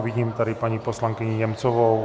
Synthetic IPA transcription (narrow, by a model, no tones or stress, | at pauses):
viɟiːmt̪adɪpaɲiposlaŋkɪɲɪɲɛmt͡sɔvow